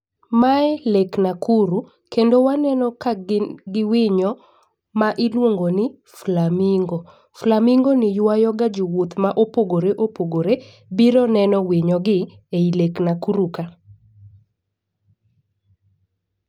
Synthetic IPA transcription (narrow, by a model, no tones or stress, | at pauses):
maɛleknakʰuɾu | kendowanɛnɔkaɡɪwɪɲɔ | maʔɪlwoŋɡonɪ | flamiŋɡɔ | flamiŋɡonɪjwajɔɡad͡ʒowot̪maʔopoɡoɾeʔopoɡoɾe | biɾɔnɛnɔwɪɲɔɡɪ | eileknakuɾuka